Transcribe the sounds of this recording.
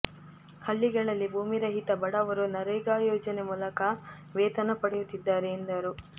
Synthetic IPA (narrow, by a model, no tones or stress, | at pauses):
hɐɭːiɡɐɭɐlːibʱuːmiɾɐɦit̪ɐbɐɽɐʋɐɾunɐɾɐjɡaːjɔːd͡ʒɐnemuːlɐkɐ | ʋeːt̪ɐnɐpɐɽejut̪ːid̪ːaːɾeːnd̪ɐɾu